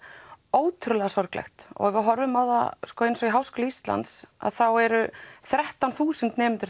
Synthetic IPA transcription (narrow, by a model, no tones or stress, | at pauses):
oːwt̪ʰʏɾʏlɛɣasɔɾklɛ̰xt̪ɔ̰ɣɛvʏɦɔɾvʏmːaːwða̰skɔejnsɔiɦawskɔːlaist̪la̰nt̪sa̰ðθawɛɾʏθɾɛht̪awnθuːsʏnt̪nɛːmɪnt̪ʏɾ